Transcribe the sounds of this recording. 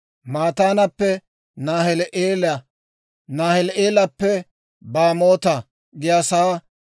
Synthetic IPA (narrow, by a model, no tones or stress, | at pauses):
maːt̪aːnɐpːɛ | naːhɛlʔeːlɐ | naːhɛleːlɐpːɛ | baːmoːt̪ɐ | ɡɪjasaː